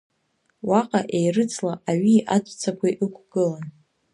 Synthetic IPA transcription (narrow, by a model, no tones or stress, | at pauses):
waqʼaʔejrɨt͡sʰʼlaaɥiʔad͡ʒʷʼt͡sʰakʷʰajʔɨkʷʰɡ̥ɨlan